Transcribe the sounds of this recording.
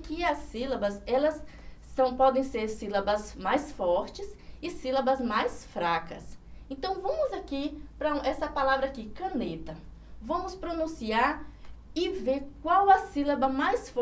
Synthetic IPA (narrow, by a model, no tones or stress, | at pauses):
kɪɐsːilɐbɐzɛlɐsːɐ̃w̃pɔd̪ẽj̃seɾsilɐbɐsmajsfɔɾt͡ʃɪsɪsilɐbɐzmajsfɾakɐ̰sẽnt̪ɐ̃w̃vɐ̃mʊzakipɾɐ̃ɛsɐpalavɾɐakikɐ̃net̪ɐ | vɐ̃mʊspɾonũsiaɾ | ɪveɾkwawɐsilɐbɐmajsf